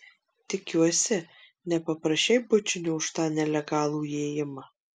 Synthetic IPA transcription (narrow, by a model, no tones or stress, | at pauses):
t̪ʲɪkʲuɔsʲɪ | nʲɛpɐpɾɐʃʲt͡ʃʲɛɪbʊt͡ʃʲɪnʲuːʊʃt̪ɑːnʲɛlʲɛɡɑːlˠuːeːjɪmɐ